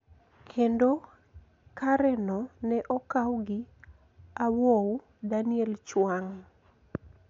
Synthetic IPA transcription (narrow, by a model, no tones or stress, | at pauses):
kʰendo | kaɾɛnɔnɛʔɔkawɡɪ | awow | danɪɛlt͡ʃwaŋ